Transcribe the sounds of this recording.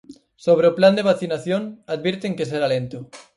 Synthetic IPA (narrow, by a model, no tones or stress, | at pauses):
soβ̞ɾeopland̪eβ̞aθinaθjoŋaðβeɾt̪eŋkes̬eɾalẽnt̪o